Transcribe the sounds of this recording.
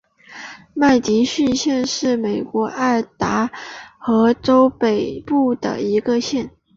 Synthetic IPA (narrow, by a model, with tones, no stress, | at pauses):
ma˥˩ɪt͡ɕi˧˥ɕy˥˧nɕjɛ˥˧nʂɻ̩˥˩me˨˩ɪkwɔ˧˥ʔa˥˩ɪt̪a˧˥xɤ˧˥ʈ͡ʂo˥ʊpe˨˩ɪpu˥˩d̪ə̰˩i˧˥ɡə˧ɕjɛ˥˩n